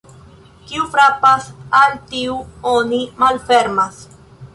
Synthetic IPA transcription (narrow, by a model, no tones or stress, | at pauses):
kiufɾapasaltiuonimalfe̞ɾmas